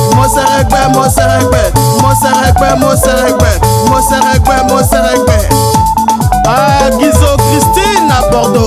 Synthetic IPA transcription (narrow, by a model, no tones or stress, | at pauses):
mɔseɾeɡ͡bemɔsɛɾeɡ͡bɛm̩moseɾeɡ͡bɛmosɛɾeɡ͡bɛ | mɔsɛɾeɡ͡bɛmosɛɾeɡ͡bɛ | aɡizokɾistinabɔdo